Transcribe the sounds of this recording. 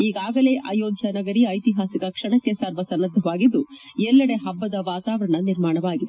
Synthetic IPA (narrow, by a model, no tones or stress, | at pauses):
iːɡaːɡɐle̞ːʔɐ̰joːd̪ʱjɐnɐɡɐɾiɐjt̪iɦaːsikɐkʂɐɳɐkːesaːɾʋɐsɐnːɐd̪ʱɐʋaːɡid̪ːuɛlːɐɽe̞ɦɐbːɐd̪ɐʋaːt̪aːʋɐɾɐɳɐniɾmaːɳɐʋaːɡid̪e